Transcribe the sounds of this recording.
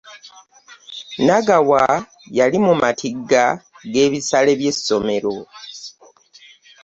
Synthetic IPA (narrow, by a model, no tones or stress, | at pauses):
naɡawa | jalimumatʰiɡːa | ɡe̞ːβisale̞βje̞so̞me̞ɾo̞